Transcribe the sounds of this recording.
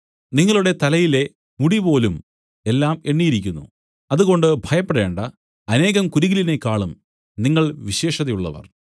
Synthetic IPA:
niŋːɐɭuɽe̞t̪ɐlɐjile̞ | muɽipo̞ːlum | e̞lːaːme̞ɳːijiɾikʲːunːṵ | ɐðuɣo̞ɳɖɨbʱɐjɐpːeɽe̞ːɳɖɐ | ɐne̞ːɣɐmkuɾuɣiline̞kːaːɭum | niŋːɐɭʋiɕe̞ːʂɐðɐjuɭːɐ̰ʋɐ̰r

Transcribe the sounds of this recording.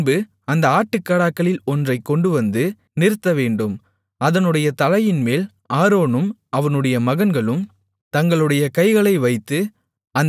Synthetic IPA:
bɯ | ɐnd̪ɐaːʈːɯkːɐɽaːkːɐɭɪlɔndrɐɪkːɔɳɖɯʋɐnd̪ɯ | nɪɾɯt̪ːɐʋeːɳɖɯm | ɐðɐnɯɽɐjɐt̪ɐlɐjɪnmeːl | aːɾoːnɯmɐʋɐnɯɽɐjɐmɐɣɐnɡɐɭɯm | t̪ɐŋɡɐɭɯɽɐjɐkɐɪɣɐɭɐɪʋɐɪt̪ːɯ | ɐn

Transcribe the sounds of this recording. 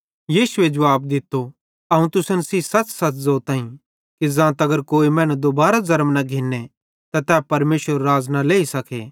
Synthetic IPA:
jiːsʊed͡ʒɐʋaːbd̪ɪt̪ːo | ɐɦũt̪ʊsənsiːsɐt͡ʃsɐt͡ʃzoːt̪ãːĩ | kizãːt̪ɐɡəɾkoːimɛ̃ːnũd̪obaːɾazɐɾmnaɡʱiːnːe | t̪at̪ɛːpɐɾmeːsʋəɾːaːznaleːisɐkʰḛː

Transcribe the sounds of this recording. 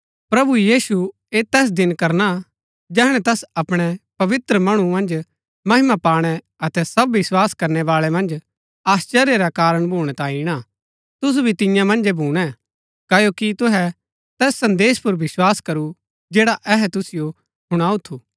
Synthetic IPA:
pɾɐbujiːsu | eːt̪ɛːs̬d̪ɪnkɐɾna | d͡ʒɛːɽ̃ɛ̃t̪ɛːsɐpɽ̃ɛpɐʋɪt̪ɾəmɐɽ̃umɐ̃nd͡ʒ | mɐɦɪmapaːɽ̃ɛ | ɐt̪ɛsɐbːɪswaːskɐɾnɛʋaːɭɛmɐ̃nd͡ʒ | aːst͡ʃɛːɾeɾakaːɾəɽ̃bʱoːɽ̃ɛt̪ãːiɽ̃a | t̪ʊs̬ubʱit̪ɪ̃jãmɐ̃nd͡ʒɛbʱuːɽ̃ɛ̃ | kɐjokit̪ʊɦɛ | t̪ɛːsːɐ̃nd̪eːʃpʊɾʋɪswaːskɐɾu | d͡ʒeːɽaʔɛɦɛt̪ʊsɪjo | ɦʊɽ̃aːut̪ʰuː

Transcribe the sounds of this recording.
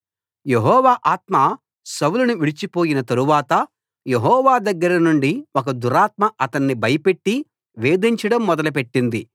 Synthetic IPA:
je̞ɦɔːʋaːʔaːt̪mɐ | sɐwulunuʋiɭit͡ʃipo̞ːjinɐt̪ɐɾuʋaːt̪ɐ | je̞ɦɔːʋaːd̪ɐɡːɐɾɐnuɳɖiɔkɐd̪uɾaːt̪mɐʔɐt̪ɐnːibʱɐjɐpe̞ʈːi | ʋeːd̪iɲt͡ʃɐɽɐmːɔd̪ɐlɐp̬e̞ʈːind̪i

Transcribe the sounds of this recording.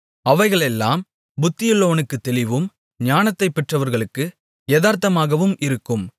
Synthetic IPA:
ɐʋɐɪɣɐɭɛlːaːm | bʊt̪ːɪjɪlːoːʋɐnɯkːɯt̪ːɛlɪʋɯm | ɲaːnɐt̪ːɐɪpːɛʈrɐʋɐɾɣɐɭɯkːɯ | eðaːɾt̪ɐmaːɣɐʋɯmʔɪɾɯkːɯm

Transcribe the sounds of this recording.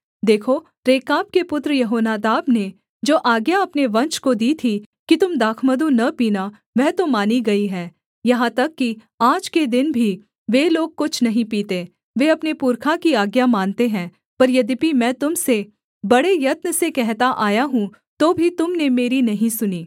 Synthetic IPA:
d̪eːkʰo | ɾeːkaːp̚kepʊt̪ɾəjɐɦoːnaːd̪aːbne | d͡ʒoːʔaːɡjaɐpneʋɐ̃nt͡ʃkod̪iːt̪ʰi | kit̪ʊmd̪aːkʰməd̪ũnɐpiːna | ʋɛɦt̪omaːniɡɐiɦɛː | jɐɦãt̪ɐkːi | aːd͡ʒked̪ɪnbʱi | ʋeːloːɡ̚kʊt͡ʃʰnɐɦĩpiːt̪e | ʋeɐpnepʊɾkʰakiaːɡjamaːnt̪eɦɛ̃ː | pɐɾjɐd̪ipimɛ̃ːt̪ʊmse | bɐɽejɐt̪nəsekɛɦt̪aʔaːjaɦũ | t̪oːbʱit̪ʊmnemeːɾinɐɦĩsʊniː

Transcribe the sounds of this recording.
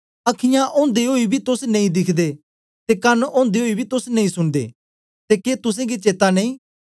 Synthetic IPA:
ɐkʰɪjãʔõːnd̪eɦoːibʱit̪ʊsnɐ̃ĩd̪ɪkʰd̪e | t̪ekɐnɔ̃ːnd̪eɦoːibʱit̪ʊsnɐ̃ĩsʊnd̪ḛː | t̪ekeːt̪ʊs̬ẽɡit͡ʃeːt̪anẽĩː

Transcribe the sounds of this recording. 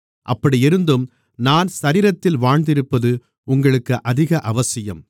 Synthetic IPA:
ʔɐpːɐɽiɪɾɯnd̪ɯm | naːnsɐɾiːɾɐt̪ːɪlʋaːɻnd̪ɪɾɯpːɐðɯ | ʊŋɡɐɭɯkːɯʔɐðɪɣɐʔɐʋɐsɪjɐm

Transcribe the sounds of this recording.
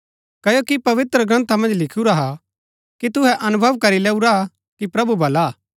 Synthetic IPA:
kɐːjoːkipɐʋɪt̪ɾəɡɾɐ̃nt̪ʰamɐ̃nd͡ʒlɪkʰuɾaɦa | kit̪ʊɦɛʔɐnʊbʱəʋkɐɾileːuɾa | kipɾɐbubɐlaː

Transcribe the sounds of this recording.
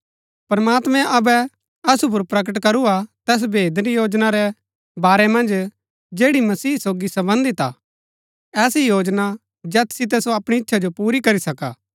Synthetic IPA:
pɾɐmaːt̪mɛ̃ʔɐbɛ | ɐsup̬ʊɾpɾɐk̬əʈkɐɾuat̪ɛːs̬bʱeːd̪ɾijoːd͡ʒnaɾɛ | baːɾɛmɐ̃nd͡ʒ | d͡ʒeːɽimɐsiːsoːɡisɐbə̃nd̪it̪a̰ | ɛːsijoːd͡ʒna | d͡ʒɛːt̪sɪt̪̬ɛsoɐpɽ̃iɪtːʃʰad͡ʒopuːɾikɐɾisɐkaː

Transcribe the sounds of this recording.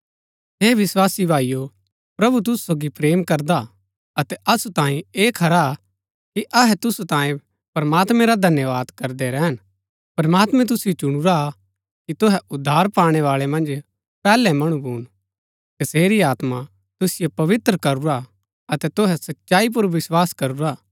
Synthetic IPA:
ɦeːʋɪswaːsibʱaːijo | pɾɐbut̪̬ʊsu̥soːɡipɾeːmkɐɾd̪a | ɐt̪ɛɐsut̪ãːĩeːkʰɐɾa | kiʔɐɦɛt̪ʊsut̪ãːẽ | pɐɾmaːt̪mɛ̃ɾad̪ʱɐnjəʋaːd̪kɐɾd̪ɛɾɛɦən | pɐɾmaːt̪mɛ̃t̪̬ʊsɪjot͡ʃʊɽ̃uɾa | kit̪oɦɛʊd̪ʱːaːɾpaːɽ̃ɛʋaːɭɛmɐ̃nd͡ʒ | pɛːlɛ̃mɐɽ̃ũbʱuːn | t̪ɐseːɾiaːt̪ma | t̪ʊsɪjopɐʋɪt̪ɾəkɐɾuɾa | ɐt̪ɛt̪oɦɛsɐtːʃaːip̬ʊɾʋɪswaːskɐɾuɾaː

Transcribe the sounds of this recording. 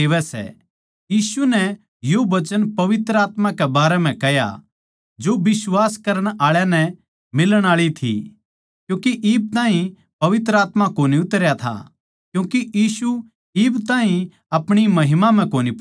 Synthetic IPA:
eːʋɛsɛ̰ | jiːsunɛ | joʋɐt͡ʃənpɐʋɪt̪ɾəaːt̪mãkɛbaːɾɛm̤ɛ̃kɛɦja̰ | d͡ʒobɪswaːskɐɾəɽ̃aːɭjanɛ | mɪləɽ̃aːɭit̪ʰḭ | kjũːkiʔɪːb̚t̪aːɦĩ | pɐʋɪt̪ɾəaːt̪makoːniʊt̪ɾjat̪ʰa̰ | kjũːkijiːsu | ibt̪ãːɦĩ | ɐpɽ̃imɐɦɪmam̤ɛ̃koːnip

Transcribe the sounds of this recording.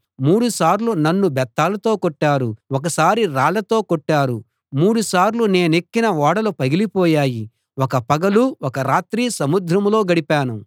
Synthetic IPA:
muːɽusaːɾlunɐnːubɛt̪ːaːlɐt̪o̞ːkoʈːaːɾuwɔkɐsaːɾiɾaːɭɐt̪o̞ːkoʈːaːɾu | muːɽusaːɾlune̞ːnekːinɐʋaːɽɐlupɐɡilipɔːjaːji | wɔkɐpɐɡɐluwɔkɐɾaːt̪ɾiːsɐmud̪ʱɾɐmlo̞ːɡɐɽipaːnu

